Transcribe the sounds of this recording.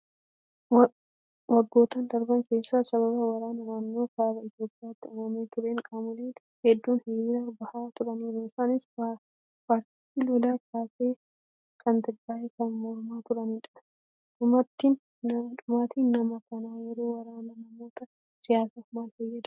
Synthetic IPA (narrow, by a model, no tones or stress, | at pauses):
wɐɡːo̞ːt̪ɐnd̪ɐɾbɐŋke̞ːsːaːsɐβɐbɐwɐɾaːnɔɾanːoːkaːbɐɪt̪jo̞ːpʼːjaːt̪ːɪʊmɐmeːt̪ʊɾeːŋkʼamʊleː | hɛd̪ːuːnhejɪɾaːbɐhaːt̪ʊɾɐniːɾiːfaːnɪs | paːɾt̪iːt̪ːiloːlaːkʰaːseː | kʰɐnt̪ɪɾɡaːʔekɐnmɔɾʊmaːt̪ʊɾɐniːᶑɐ̥ | ᶑʊmɐt̪ːinː | ɐᶑʊmaːt̪iːnːɐmɐkɐnaːjɛɾo̞ːwɐɾaːnɐnɐmo̞ːt̪ɐ | sɪjaːsaːmaːlhejːɛd̪